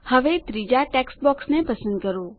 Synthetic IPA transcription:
həʋet̪ɾid͡ʒaʈɛksʈ̚bɔksnepəsə̃nd̪kəɾo

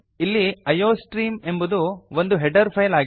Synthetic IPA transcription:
ilːiɐjoːsʈɾiːme̞mbud̪uʋond̪uɦɛɖɐɾpʰɐjlaːɡ

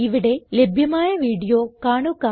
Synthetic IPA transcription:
iʋiɽe̞lebʱjɐmaːjɐʋiːɽijo̞ːkaːɳukːa

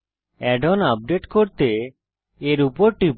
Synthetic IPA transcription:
ɛɖɔnap̚ɖeʈkɔɾt̪e | eɾupɔɾʈip

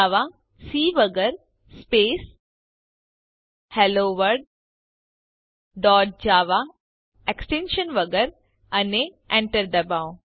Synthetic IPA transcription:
ʋa | siːʋəɡəɾ | speːs | heloːʋəɾɖ̚ | ɖɔːʈ̚d͡ʑaːʋa | eksʈẽnʃənʋɐɡəɾ | ɐne | ẽɳʈəɾd̪ɐbaõ

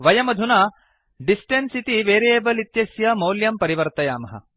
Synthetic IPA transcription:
ʋɐjɐmɐd̪ʱunɐ | ɖisʈensit̪iʋeːɾijeːbɐlit̪jɐsjɐmɐwljɐmpɐɾiʋɐɾt̪ɐjaːmɐɦɐ̰

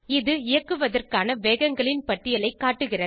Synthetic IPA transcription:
ɪðɯɪjɐkːɯʋɐðɐrkaːnɐʋeːɣɐŋɡɐɭɪnpɐʈːɪjɐlɐɪkːaːʈːɯɣɪrɐ

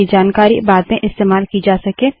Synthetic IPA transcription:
id͡ʒaːnkaːɾḭbaːd̪̚mẽʔɪst̪eːmaːlkid͡ʒaːsɐkẽː

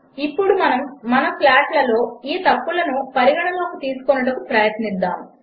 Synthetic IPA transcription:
ipːuɽumɐnɐmːɐnɐplaːʈlɐlo̞ːiːt̪ɐpːulɐnupɐɾiɡɐɽɐloːkut̪iːsu̥konuɽɐkupɾɐjɐt̪nid̪ːa̰ːm

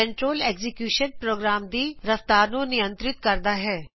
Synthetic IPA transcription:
ə̃ɳʈɾoːleːɡzɪkjuːʃənpɾoːɡɾaːmd̪iːɾəft̪aːɾnũnɪjə̃nt̪ɾɪt̪̚kəɾd̪aːɦɛː

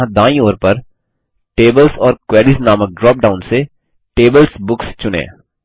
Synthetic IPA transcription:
ãd̪ãːĩoːɾpɐɾ | ʈeːbəlsɔːɾkwɛːɾiːsnaːmək̚ɖɾɔːp̚ɖaːʊnse | ʈeːbəlsbʊkst͡ʃʊnḛ̃ː

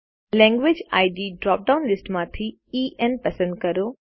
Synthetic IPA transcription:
lɛ̃ːŋɡʋɪd͡ʑa̰ːɪɖiːɖɾɔːp̚ɖaːʊnlɪsʈmãːt̪ʰi | iːʔɛnpɐsə̃nd̪̚kɐɾoː

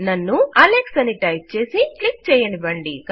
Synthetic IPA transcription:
nɐnːuɐleksɐniʈɐjp̚t͡ʃe̞ːsiʈlik̚t͡ʃɛːjɐnibɐɳɖik

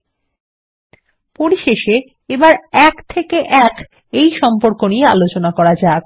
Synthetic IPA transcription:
poɾiʃeʃe | ebaɾɛkt̪ʰekeʔɛk | ejʃɔmpoɾkoniea̰lot͡ɕonakɔɾad͡ʑae

